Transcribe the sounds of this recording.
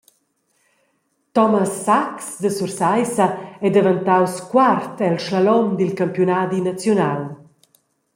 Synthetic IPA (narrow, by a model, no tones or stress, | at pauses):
t̪ɔmasːaksd̪əsursajsɐɛd̪evant̪awskwart̪ɛlʃlalɔmd̪ilkampjunad̪inat͡sjonal